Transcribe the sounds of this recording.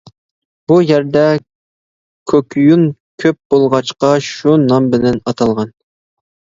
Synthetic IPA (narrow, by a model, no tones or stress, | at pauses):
b̥ujæɾd̪ɛ | kʲʰøkʰʲjunkʲʰøp̚b̥olˠʁɑt͡ʃqɑʃunɑmbɪlɛnɑt̪ʰɑlˠʁɑn